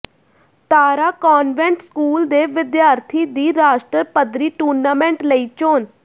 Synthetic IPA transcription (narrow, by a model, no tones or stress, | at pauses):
t̪aːɾaːkɔːnʋɛ̃ɳʈskuːld̪eːʋɪd̪jaːɾt̪ʰiːd̪iːɾaːʃʈɾəpəd̪ɾiːʈuːɾnaːmɛ̃ːɳʈləiːt͡ʃoːn